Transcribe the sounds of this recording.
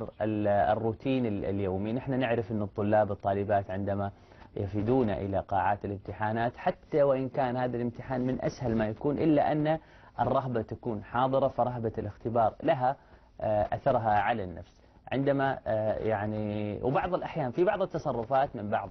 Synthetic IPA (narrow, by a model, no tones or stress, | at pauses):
ɾˤɪɪrːuːt̪ʰiːnɪ̰ljoːminɪħnanɪʕɾɪfʔɪnːɨt̪ˤːʊlːɑːbɨt̪ˤːɑːlɪbaːt̪ʕɪnd̪ama | jafid̪uːna̰ʔɪ̰laqɑːʕaːt̪ɪlɪmt̪ɪħaːnaːt̪ħat̪ːawɪʔɪnkaːnhaːðalɪmt̪ɪħaːnmɪnʔa̰shalmajakuːnʔɪlːaʔanːa | ʔɨrˤːɑɦbat̪akuːnħɑːðˤɨɾˤɑfɑɾˤɑɦbalɪxt̪ɪbɑːɾˤlaɦa | ʔa̰θɑɾˤɦaʕalanːa̰fs | ʕɪ̰nd̪amajaʕniwbɑʕðˤɪlʔaħjaːnfibɑʕðˤɨt̪ːɑsˤɑrˤːʊfaːt̪mɪmbɑʕðˤ